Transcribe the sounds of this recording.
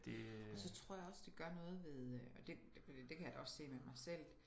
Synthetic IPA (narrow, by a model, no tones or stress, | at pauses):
d̥ɒ̽sɒ̽t͡sʰʁɔ̝ɐ̰jäɒ̽sd̥eɡ̥ɶɐnɔ̽ːð̞̩ˠʋe̝ð̞ˠɒ̽d̥e̝̥ | fɒd̥ḭːd̥e̝kʰæjad̥ɒ̽sse̝̰ːmemɑ̈ɪsel̰